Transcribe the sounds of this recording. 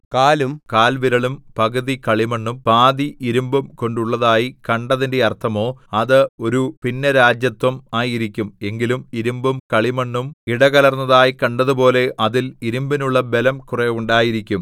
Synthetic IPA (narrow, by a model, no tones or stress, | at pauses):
kaːlumkaːlʋiɾɐɭumpɐɣɐðikɐɭimɐɳːumpaːd̪iʔiɾumbumko̞ɳɖuɭːɐðaːjikɐɳɖɐðinde̞ɐrt̪ʰɐmo̞ːɐðɨo̞ɾupinːɐɾaːd͡ʑjɐt̪wɐmaːjiɾikʲːume̞ŋɡilumiɾumbumkɐɭimɐɳːumiɽɐɣɐlɐrnːɐðaːjikɐɳɖɐðupo̞ːle̞ʔɐðiliɾumbinuɭːɐbe̞lɐmkureuɳɖaːjiɾikʲːum